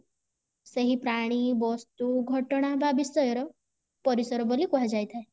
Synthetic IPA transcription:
seɦipɾaɽ̃ibɔst̪uɡʱɔʈɽ̃abʱabisɔjɔɾɔ | pɔɾisɔɾɔbɔlikuɦad͡ʒajt̪ʰae

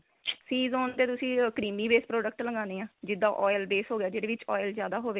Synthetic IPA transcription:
siːzoːnt̪eːt̪ʊsĩːkɾiːmiːbeːspɾoːɖəkʈləɡãːneːãːd͡ʒɪd̪ːaːʔɔːjlbeːsɦoːɡɪjaːd͡ʒeːɽeːʋɪt͡ʃɔːɪlzjaːd̪aːɦoːʋeː

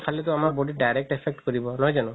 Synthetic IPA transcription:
pʰalɛt̪ʊamaɹbodiɖajɾek̚ʈɛpʰɛk̚ʈkoɹibɔnɔɦɔjzanʊ̃

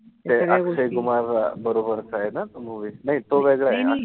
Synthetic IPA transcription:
t̪easeɡumaɾabəɾobəɾsaɦenat̪omuʋinaɦit̪oʋeɡɭaɦea

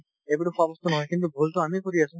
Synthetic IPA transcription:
ebuɾopɔbost̪onɔɦɔekint̪ubʱult̪oamikoɾiat͡ɕʰo

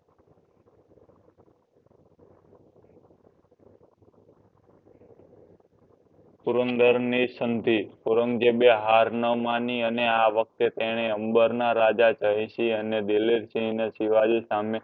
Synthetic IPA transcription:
puɾənd̪əɾnisənd̪ʱipuɾəŋɡd͡ʒebeɦaɾnəʋmaniəneaʋək̚t̪et̪eɽ̃eəmbəɾnaɾad͡ʒat͡ʃəɦĩʃiəned̪iliɾsineʃiʋaɾisame

